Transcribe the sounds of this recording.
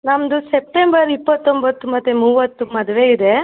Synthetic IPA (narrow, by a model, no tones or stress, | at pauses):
nɐmd̪usep̚ʈembɐɾipːɐt̪ːombɐt̪ːumɐt̪ːemuːʋɐt̪ːumɐd̪ɐʋeid̪e